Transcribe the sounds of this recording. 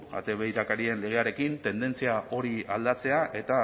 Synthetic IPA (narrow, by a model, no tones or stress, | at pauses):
a̰t̪e̞βejɾakaɾie̞nle̞ɣ̞e̞aɾe̞kint̪e̞nd̪e̞nt͡siaʔo̞ɾiald̪at͡se̞aʔe̞t̪a